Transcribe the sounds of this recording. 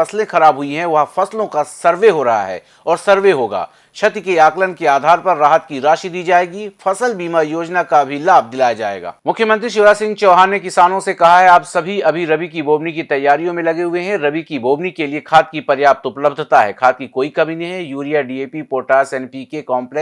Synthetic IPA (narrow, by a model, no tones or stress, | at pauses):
ɐslẽxɐɾaːbɦʊiɦɛ̃ʋɐɦfɐslõkasɐɾʋeɦoɾɐɦa̰ɦɛ̰ː | ɔːɾsɐɾʋeɦoːɡa̰ː | ʃɐt̪keaːklənkeaːd̪ʱaːɾpɐɾːaːɦət̪kiɾaːʃid̪iːd͡ʒaːeːɡifɐsəlbiːmajoːd͡ʒnakabʱilaːb̚ʱd̪ɪlaːjad͡ʒaːḛːɡa̰ːmʊkʰjəmə̃nt̪ɾiʃoːɾaːsɪ̃ŋɡt͡ʃɔːɦaːnːekɪsaːnõsekɐɦaɦɛaːpsɐbʱiɐbʱiɾɐbik̬ibʱoːbnikit̪ɐjːaːɾijõmẽlɐɡeɦʊeɦɛ̃ɾɐbikibʱoːbnikeliekʰaːt̪̚kipɐɾjaːb̚t̪ʊpləbd̪ʱt̪aɦɛ̰kʰaːt̪̚kikoːikɐbʱineɦɛjuːɾijaɖieːpipoːɾʈaːsɛːnpiːkekɔːmplɛ